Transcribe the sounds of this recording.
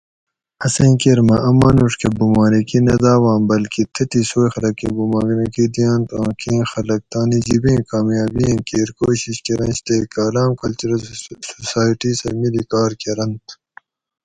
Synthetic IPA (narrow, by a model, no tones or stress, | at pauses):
ɐseɐ̃ːkeɾmɐʔɐmaːnuʂkebumaːnikinɐd̪aːwãːmbɐlkit̪ʰɐt̪isoːjxɐlɐkḭbumaːɡnekid̪ijãːnt̪ã̰ːkĩːxɐlɐk̚t̪aːnid͡ʑibĩːkaːmjaːbĩkeːɾkoːɕiɕkeɾɐ̃nɕt̪eːkaːlaːmkɐlt͡ʃuɾɐlsosaːjʈisɐmilikaːɾkeɾɐnt̪